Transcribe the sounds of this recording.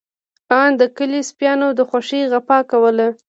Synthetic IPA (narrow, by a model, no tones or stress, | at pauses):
ɑnd̪əkəlispjɑnod̪əxwaʂiɣapɑkawəla